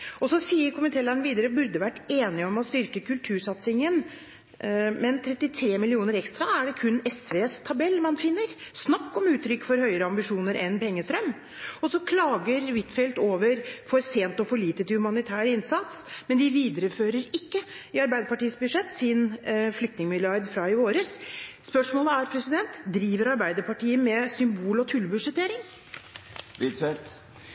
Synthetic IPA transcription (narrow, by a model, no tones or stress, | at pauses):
ɔsɔsiːəɾkʰʊmənt̪ʰeːlæɳʋiːd̪əɾəbʉɾd̪əʋæʈːeːnɪəɔmɔst̪ʏɾkəkʉlt̪ʰʉːʂɑt̪sɪŋən | mɛnt̪ʰɾɛt̪ːɪt̪ʰɾeːmɪlɪuːnəɾɛkst̪ɾɑæɖɛkʰʉnɛsʋeːst̪ʰɑbɛlːmɑnfɪnːəɾsnɑkːɔmʉːt̪ːɾʏkːfɔɾhœʏəɾəɑmbɪʂuːnəɾʔɛnpʰɛŋːəst̪ɾœm | ɔsɔkʰlɑːɡəɾʋɪt̪fɛlt̪oːʋəɾfɔɾseːnt̪ɔfɔɭiːt̪ət̪ɪhʉmɑnɪt̪ʰæːɾəɪnsɑt̪smɛnd̪ɪʋiːd̪əɾəføːɾəɾɪkːəɪɑɾbæɪd̪əpɑʈiːəsbʉd̪ʂɛt̪ːsɪnflʏk̚t̪nɪŋəmɪlɪjɑɾd̪fɾɑɪʋoːɾəsspœʂmoːləæɾpʰɾɛsɪd̪ɛnt̪d̪ɾiːʋəɾɑɾbæɪd̪əpɑʈiːəmɛsʏmbuːlɔt̪ʰʉlːbʉʂɛt̪ʰeːɾɪŋ | ʋɪt̪fɛlt̪